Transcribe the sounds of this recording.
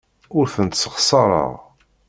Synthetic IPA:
ʊɾθənt̪sə̥χsˤɑɾˤə̰ʁ

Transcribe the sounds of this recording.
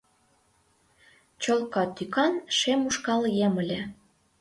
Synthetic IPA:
t͡ɕolkɑt̪ykɑnʃemuʃkɑljemə̆lʲĕ

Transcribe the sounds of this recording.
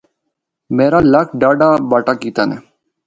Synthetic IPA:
meːɾaːləkʰɖaːɖaːbaːʈaːkiːt̪aːnɛ̰ː

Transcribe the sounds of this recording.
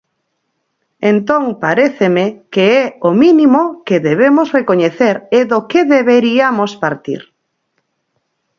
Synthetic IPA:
ent̪õŋpaɾeθemekeɛomĩnimokeðeβ̞emosrekoɲeθeɾeðokeðeβeɾiamospaɾt̪ḭɾ

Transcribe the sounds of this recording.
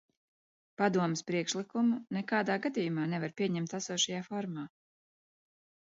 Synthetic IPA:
pad̪uɔmespɾiɛkʃlˠikumunɛkaːd̪aːɡad̪ʲijumaːnɛvaɾpʲiɛɲɛmt̪asuɔʃajaːfɔɾmaː

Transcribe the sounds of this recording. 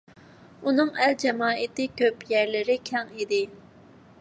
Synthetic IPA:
unɨŋæld͡ʒɛmɑːɪt̪ɪkʲʰøpjæɾlɪɾɪkʲʰɛŋid̪ɪ

